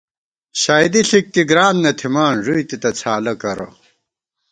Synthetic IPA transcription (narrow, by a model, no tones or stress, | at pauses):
ɕaːjd̪iɬik̚t̪iɡɾaːnnɐt̪ʰimaːnʐujt̪it̪ɐt͡sʰaːlɐkɐɾɐ̰